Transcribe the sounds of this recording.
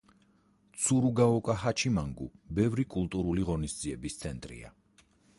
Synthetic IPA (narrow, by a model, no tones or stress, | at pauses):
t̪sʰuɾuɡaɔkʼaɦat͡ʃʰimaŋɡṵbɛvɾikʼulˠt̪ʼuɾuliʁɔnisd̪ziɛbist̪sʰɛnt̪ʼɾḭa̰